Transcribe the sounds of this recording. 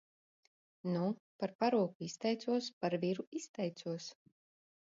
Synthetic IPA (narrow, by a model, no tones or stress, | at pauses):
nupaɾpaɾuɔkuist̪ɛjt̪suɔspaɾviɾuist̪ɛjt̪suɔs